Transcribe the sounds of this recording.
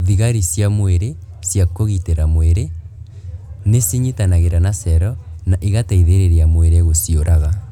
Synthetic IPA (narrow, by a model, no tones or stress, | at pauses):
ðiɣaɾisjamweɾe | sjakoɣiteɾamweɾe | nesiɲitanaɣeɾanasɛɾɔnaʔiɣataiðeɾeɾeamweɾeɣosioɾʔaɣa